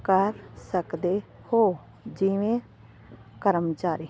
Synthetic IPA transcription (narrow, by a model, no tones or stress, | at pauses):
kəɾsəkd̪eː | hoː | d͡ʒiʋẽː | kəɾəmt͡ʃaːɾiː